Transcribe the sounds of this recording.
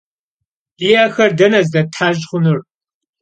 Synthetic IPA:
iaːxɐrdɐnɐzdɐtʰħaːʒʼχʷʊnɨr

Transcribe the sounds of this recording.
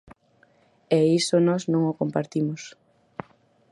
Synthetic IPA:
ɛisonɔznõŋokompaɾt̪imʊs

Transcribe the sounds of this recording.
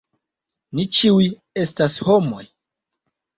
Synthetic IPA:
nit͡ʃiuji | e̞stasho̞mo̞j

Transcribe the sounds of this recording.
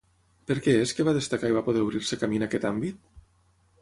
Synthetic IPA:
pəɾkɛeskəβaðest̪akaiβapoðɛuβɾiɾsəkaminakɛt̪ambit̪̚

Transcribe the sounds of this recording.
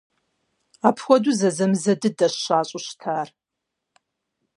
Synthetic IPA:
aːpʰxʷɔduzɐzɐmɨzɐdɨdɐɕːaːɕʼʊɕtʰaːr

